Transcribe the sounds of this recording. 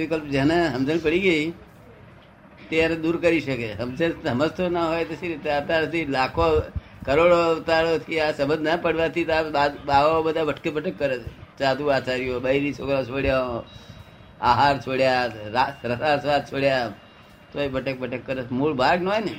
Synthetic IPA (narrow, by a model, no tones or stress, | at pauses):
ʋɪkəlpd͡ʒeneɦəmd͡ʒənpəɽiɡəi | t̪eanẽd̪uɾkəɾiʃəkeɦəmd͡ʒənəməst̪ʰonaɦojt̪əsʰiɾit̪eat̪aɾt̪ilakʰo | kəɾoɽot̪aɾot̪ʰiasəbə̃nd̪napəɽʋat̪ʰit̪aabaʋabəd̪ʱabəʈkepəʈəkːəɾet͡ʃʰet͡ʃad̪uat͡ʃaɾijobəɾit͡ʃʰokɾat͡ʃʰoɽjao | aɦaɾt͡ʃʰoɽjaɾaɾəsasʋad̪̚t͡ʃʰoɽja | t̪oebəʈək̚bəʈəkːəɾemuɭbʱaɡnɦojne